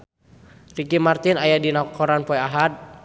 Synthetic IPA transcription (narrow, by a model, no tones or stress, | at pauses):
rikimart̪inajadinakɔɾanpɔɛaɦat̪̚